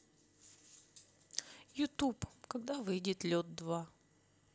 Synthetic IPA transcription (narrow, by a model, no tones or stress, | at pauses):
jʊt̪upkɐɡd̪avɨjdʲɪt̪lʲot̪̚d̪va